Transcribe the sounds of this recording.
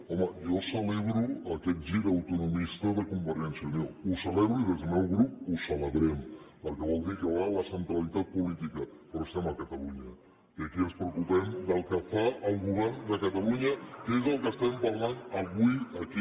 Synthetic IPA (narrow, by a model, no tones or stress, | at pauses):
ɔməjɔsəleβɾuəkɛt̪̚ʒiɾəwt̪unumist̪əðəkumbəɾiɛnsiəmousəlɛβɾuiðezəmɛwɣɾup̚usələβɾɛmpəlˠkəβɔlˠd̪iɾkəalaləsənt̪ɾalit̪at̪̚pulit̪ikəpəɾɔst̪ɛməkət̪əluɲə | iəkiəspɾəwkupɛmd̪əlˠkəfaəlˠɣuβɛɾnd̪əkət̪aluɲəkezəlˠkəst̪ɛmpaɾlanəβuiəki